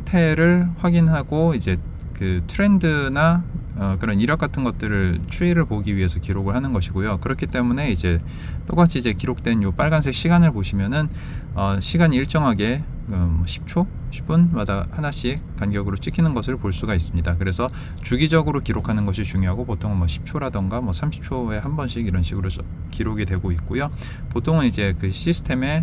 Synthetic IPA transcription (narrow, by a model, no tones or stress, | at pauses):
tʰe̞ɾɯɭwaɡinɦaɡoid͡ʑe̞ | kɯtʰɯɾe̞ndɯna | ʌkɯɾʌniɾjʌk͈atʰɯnɡʌt̚t͈ɯɾɯɭt͡ɕʰuiɾɯɭpoɡiɥiɦe̞sʰʌkiɾoɡɯɭɦanɯnɡʌɕʰiɡojokɯɾʌkʰit͈e̞mune̞id͡ʑe̞ | t͈ok͈at͡ɕʰiːd͡ʑe̞kiɾok̚t͈we̞njop͈aɭɡans̬ʰe̞k̚ɕ͈ʰiɡanɯɭpoɕʰimjʌnɯn | ʌɕʰiɡaɲiiɭt͡ɕ͈ʌŋɦaɡe̞ | kɯmʌɕʰi̥p̚t͡ɕʰo | ɕʰi̥p͈unmadahanaɕ͈ʰikanɡjʌɡɯɾot͡ɕʰikʰinɯnɡʌsʰɯɭpoɭs͈uɡais͈ɯmɲidakɯɾe̞sʰʌ | t͡ɕuɡid͡ʑʌɡɯɾokiɾokʰanɯnɡʌɕʰit͡ɕuŋjoɦaɡopotʰoŋɯnmwʌɕʰi̥p̚t͡ɕʰoɾadɯŋɡamwʌsʰamɕʰi̥p̚t͡ɕʰoe̞ɦambʌnɕʰiɡiɾʌnɕʰiɡɯɾoʌ | kiɾoɡidwe̞ɡoik̚k͈ojo | potʰoŋɯnid͡ʑekɯɕʰisʰɯ̥tʰe̞me̞